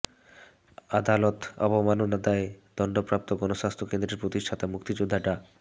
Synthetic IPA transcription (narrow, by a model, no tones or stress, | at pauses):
ad̪alot̪ɔ̰bomanonad̪aed̪̥ɔɳɖopɾap̚t̪oɡɔnoʃast̪ʰɾokend̪ɾeɾpɾot̪iʃʈʰat̪amukt̪id͡ʑod̪ʱːaʈa